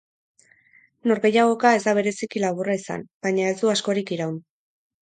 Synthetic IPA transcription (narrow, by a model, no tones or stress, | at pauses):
no̞ɾɣe̞jaɣ̞o̞kae̞zd̪aβ̞e̞ɾe̞sikilaβuraisa̰nbaɲae̞zd̪uasko̞ɾikiɾawn